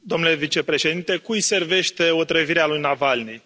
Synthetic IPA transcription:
d̪o̞mnule̞vit͡ʃe̞pɾe̞ʃe̞d̪int̪e̞kuise̞rve̞ʃt̪e̞ot̪ɾəviɾealujnavalnij

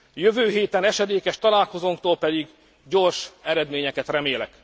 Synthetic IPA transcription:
jøvøːɦeːt̪ɛnɛʃɛd̪eːkɛʃt̪ɒlaːlko̞zoːŋk̚t̪oːlpɛd̪iɡ | ɟo̞rʃɛɾɛd̪meːɲɛkɛt̪rɛmeːlɛk

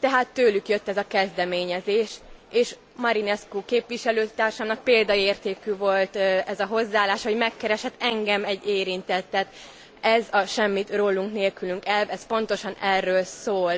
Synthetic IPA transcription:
t̪ɛɦaːt̪ːøːlykjøt̪ːɛzɒkɛzd̪ɛmeːɲɛzeːʃeːʃ | mɒɾinɛskukeːpʋiʃɛløːt̪aːrʃaːmnɒk̚peːld̪ɒeːrt̪eːkyvo̞lt̪ɛzɒɦo̞zːaːlːaːʃho̞ɟmɛkːɛɾɛʃɛt̪ːɛŋɡɛmɛɟːeːɾint̪ɛt̪ːɛt̪ | ɛzɒʃɛmːit̪roːlːuŋkneːlkylyŋkɛlvɛspo̞nt̪o̞ʃɒnɛrːøːlsoːl

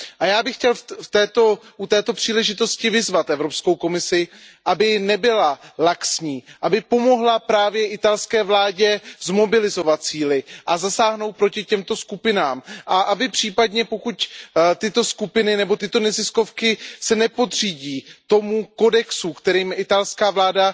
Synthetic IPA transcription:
ʔajaːbɪxcɛlft̪ɛːt̪oʔut̪ɛːt̪o̞pr̝̥iːlɛʒɪt̪o̞scɪvɪzvat̪ʔɛvɾo̞psko̞wko̞mɪsɪʔabɪnɛbɪlalaksɲiːʔabɪpo̞mo̞ɦlapɾaːvjɛʔɪt̪alskɛːvlaːɟɛzmo̞bɪlɪzo̞vat̪̚t͡siːlɪʔazasaːɦno̞wt̪̚pɾo̞cɪcɛmt̪o̞skupɪnaːmʔaʔabɪpr̝̥iːpadɲɛpo̞kuct̪ɪt̪o̞skupɪnɪnɛbo̞t̪ɪt̪o̞nɛzɪsko̞fkɪsɛnɛpo̞d̪r̝iːɟiːt̪o̞muko̞dɛksukt̪ɛɾiːmɪt̪alskaːvlaːda

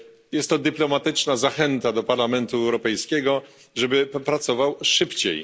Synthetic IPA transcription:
jɛst̪ːɔd̪ɘplɔmat̪ɘt͡ʂnazaxɛnt̪ad̪ɔpaɾlamɛnt̪uɛwɾɔpɛjskʲɛɡɔ | ʐɛbɘpɾat̪sɔvawʂɘpt͡ɕḛj

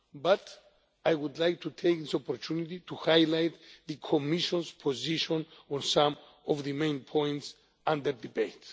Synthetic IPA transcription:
bat̪ | ajwud̪lajk̚t̪ʰut̪ʰejk̚ðisɔpoɾtʰunit̪it̪uhajlajt̪ðɨkʰomiʃɔ̃nspʰoziʃɔ̃nɔ̃nsãm | ɔvðɨmẽɪ̃npʰɔ̃j̃nts | ãnd̪əɾd̪ibejt̪

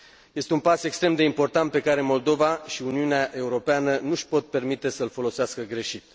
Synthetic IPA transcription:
je̞st̪eunpase̞kst̪ɾe̞md̪e̞impo̞rt̪ant̪̚pekaɾe̞mo̞ld̪o̞vaʃiuniuneaʔe̞uɾo̞peanənuʃpo̞t̪̚pe̞rmit̪e̞səlfo̞lo̞seaskəɡɾe̞ʃit̪

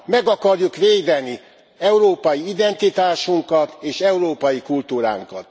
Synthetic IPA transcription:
mɛɡɒkɒrjukʋeːd̪ɛni | ɛuɾoːpɒjiid̪ɛnt̪it̪aːʃuŋkɒt̪eːʃɛuɾoːpɒjikult̪uːɾa̰ːŋkɒ̰t̪

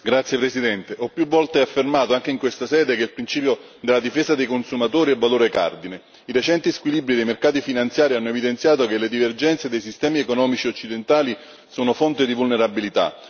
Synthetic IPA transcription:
ɡɾat̪sjepɾesid̪ɛnt̪eʔɔpːjuvːɔlt̪eafːermaːt̪oaŋk̟eiŋkwest̪asɛːd̪ekeilpɾint͡ʃiːpjod̪elːad̪ifeːzad̪ejkonsumat̪oːɾiɛvːaloːɾeka̰rd̪ine | iɾet͡ʃɛnt̪iskwilibɾid̪ejmerkaːt̪ifinant̪sjaːɾianːoevid̪ent̪sjaːt̪ok̟eled̪iverd͡ʒɛnt̪sed̪ejs̬ist̪ɛːmiekonɔːmit͡ʃieot͡ʃːid̪ent̪aːli | suːnofont̪ed̪ivulneɾabilit̪a̰

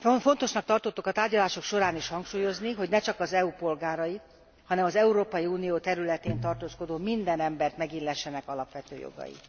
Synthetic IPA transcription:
ofo̞nt̪o̞ʃnɒk̚t̪ɒrt̪ot̪ːokɒt̪aːrɟɒlaːʃo̞kʃo̞ɾaːniʃhɒŋkʃuːjo̞zniɦoɟnɛt͡ʃɒkɒzɛupo̞lɡaːɾɒjit̪ | hɒnɛmɒzɛuɾoːpɒjiuːnijoːt̪ɛɾylɛt̪eːnt̪ɒrt̪oːsko̞d̪oːmind̪ɛnɛmbɛrt̪mɛɡilɛʃːɛnɛkɒlɒpʋɛt̪ø̰ːjo̰ɡɒ̰jḭ

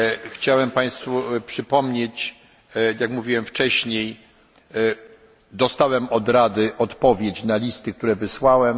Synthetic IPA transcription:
xt͡ɕawɛmpaj̃st̪fupʂɘpɔmɲet͡ɕ | jakmuvʲiwɛmft͡ʂɛɕɲej | d̪ɔst̪awɛmɔd̪ɾad̪ɘʔɔt̪pɔvʲjet͡ɕnalʲist̪ɘk̚t̪uɾɛvɘswawɛm

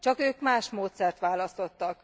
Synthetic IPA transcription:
t͡ʃɒkøːkmaːʃmoːt̪sɛrt̪ʋaːlɒst̪o̞t̪ːɒk

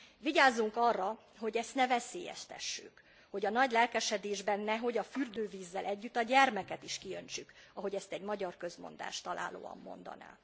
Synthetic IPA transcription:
viɟaːzːuŋkɒrːɒ | ɦo̞ɟɛst̪nɛvɛseːjɛ̰ʃt̪ɛ̰ʃːy̰k | ho̞ɟɒnɒɟlɛlkɛʃɛd̪eːʒbɛnːɛɦo̞ɟɒfyrd̪øːviːzːɛlʔɛɟːyt̪ːɒɟɛrmɛkɛt̪iʃkiø̞ɲt͡ʃykɒɦo̞ɟɛst̪ɛɟmɒɟɒrkø̞zmo̞̰nd̪a̰ːʃt̪ɒlʔa̰ːlo̰ːɒ̰mːo̞̰nd̪ɒ̰na̰ː

